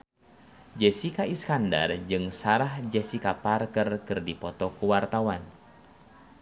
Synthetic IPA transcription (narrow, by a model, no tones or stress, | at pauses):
d͡ʒɛsikaiskanda̰rd͡ʒɨŋsaɾahd͡ʒɛsikaparkərkɨrdipɔt̪ɔkuwart̪awan